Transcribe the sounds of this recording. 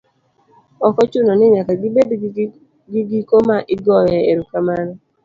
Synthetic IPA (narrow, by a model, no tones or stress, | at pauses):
ɔkɔt͡ʃʊnɔnɪɲakaɡɪbed | ɡiɡikomaʔɪɡɔjɛeɾukamanɔ